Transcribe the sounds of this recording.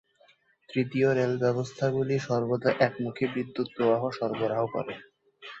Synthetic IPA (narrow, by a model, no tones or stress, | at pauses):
t̪ɾit̪ioɾelbɛbost̪ʰaɡuliʃɔɾbod̪ʱaʔɛkmukʰebɾid̪ːut̪̚pɾobaɦoʃɔɾboɾaɦokɔ̰ɾe